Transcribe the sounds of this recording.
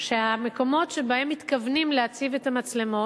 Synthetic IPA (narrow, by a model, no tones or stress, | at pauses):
ʃeame̞ko̞mo̞tʃe̞bae̞mːit̪kavnimleat͡sivetamat͡sle̞mo̞t